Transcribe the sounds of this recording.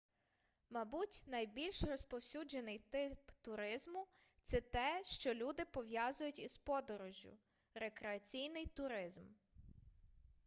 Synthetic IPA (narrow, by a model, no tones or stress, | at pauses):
mɐbutʲnɐjbʲilʲʃrɔspɔwsʲud͡ʒenɪjt̪ɪpt̪ʊɾɪzmʊ | t̪sɛt̪ɛʃt͡ʃɔlʲud̪ɪpɔʋjɑzʊjʊtʲispɔd̪ɔɾɔʒʲjʊ̰ | ɾekɾeɐt͡sʲijnɪjt̪ʊɾɪzm